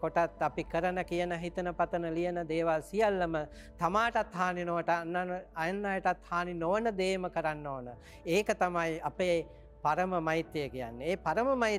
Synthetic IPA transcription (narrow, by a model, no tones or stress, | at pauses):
koʈat̪apikəɾənəkijənəɦit̪ənəpat̪ənəlijənəd̪eːʋalsijalːəmə | t̪amaːʈat̪ɦaːninoʋəʈnːaajənːajəʈat̪haːninoʋənəd̪eːməkəɾanːoːnə | eːkət̪amajapeː | paɾəməmajit̪ːjejəkija̰nːeeːpaɾəməmai